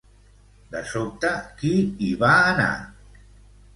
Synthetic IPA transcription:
d̪əsop̚t̪akiiβaːna̰

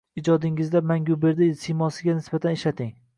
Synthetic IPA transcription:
ɪd͡ʒɒd̪ɪŋɪzd̪amaŋɡʲʊbe̞ɾd̪ɪsimɒsɪɡʲanɪsbat̪ʰaneʃlat̪ʰɪŋ

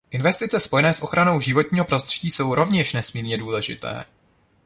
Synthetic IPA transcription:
ʔɪnvɛst̪ɪt͡sɛspo̞jɛnɛːsʔo̞xɾano̞wʒɪvo̞t̪ɲiːɦo̞pɾo̞st̪r̥ɛɟiːso̞wɾo̞vɲɛʃnɛsmiːɾɲɛduːlɛʒɪ̰t̪ɛ̰ː

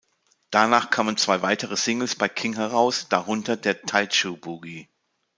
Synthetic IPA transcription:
d̥anaːχkʰaːmənt͡sv̥aɪvaɪtəʁəsɪŋl̩sb̥aɪkʰɪŋɦɛʁaʊsd̥aʁʊntɐdeːɐtʰaɪt͡ʃubuɡi

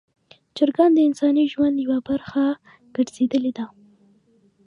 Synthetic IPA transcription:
t͡ʃaɾɡɑnd̪əɪnsɑniʒwand̪jawabaɾxa | ɡ̥əɖz̥ed̪əled̪a

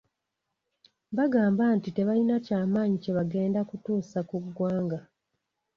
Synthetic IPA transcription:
βaɡaːmbantite̞βalinacaːmaːɲice̞βaɡe̞ːndakutuːsakuɡːwaːŋɡa

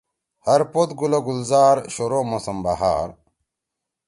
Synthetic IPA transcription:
hɐɾpot̪ɡulɐɡulzaːɾɕoɾomosɐmbaɦa̰ːɾ

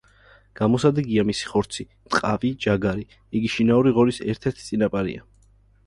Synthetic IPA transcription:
ɡ̥amɔsad̪ɛɡiamisi̥χɔɾt̪sʰi | t̪ʼqʼavid͡ʒaɡaɾi | iɡiʃinauɾiʁɔɾisɛɾt̪ʰɛɾt̪ʰit̪sʼinapʼaɾḭa

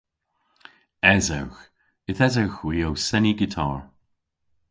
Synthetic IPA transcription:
ɛza̰wx | ɪθɛzawxwiːowsɛniɡɪtʰa̰ːɹ

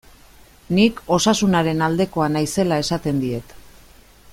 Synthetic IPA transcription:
niko̞sasunaɾe̞nald̪e̞ko̞anajse̞lae̞sat̪e̞nd̪ie̞t̪

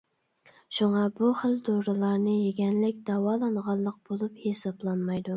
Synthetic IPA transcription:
ʃuŋɑbuχəld̪oɾɨlˠɑɾnɨjeɡʲɛnlɪkʲd̪̥ɑwɑːlˠɑnʁɑnlˠːəq̚b̥olˠuphesɑblˠɑnmɑjd̪u

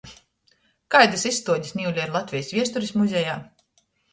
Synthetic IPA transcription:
kajd̪asisːt̪uɔɟisniːuwlʲaiɾlˠat̪vʲijsvʲiɛst̪uɾismuzʲɛjaː

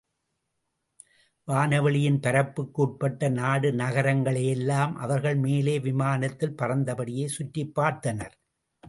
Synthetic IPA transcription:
ʋaːnɐʋɐɭɪjɪnpɐɾɐpːɯkːuːʈ̚pɐʈːɐnaːɽɯnɐɣɐɾɐŋɡɐɭɐjɛlːaːmʔɐ̰ʋɐɾɣɐɭmeːleːʋɪmaːnɐt̪ːɪlpɐrɐnd̪ɐpɐɽɪjeːsʊʈːɪpːaːɾt̪ɐnɐɾ

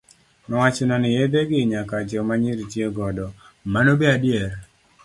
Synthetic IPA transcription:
nɔwat͡ʃenɔnɪjed̪eɡɪɲakad͡ʒɔmaɲiɾitjeɡɔdɔ | manobeadjer

